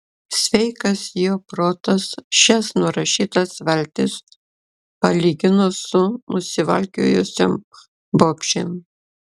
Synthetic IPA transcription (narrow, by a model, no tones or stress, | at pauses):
sʲʋʲɛɪkɐsjoːpɾoːt̪ɐsʃʲɛsnʊɾɐʃʲiːt̪ɐsʋʲɛlʲt̪ʲɪs | pɐlʲiːɡʲɪnoːsʊnʊsʲɪʋɐ̰lʲkʲo̰ːjosʲom | boːpʲʃʲem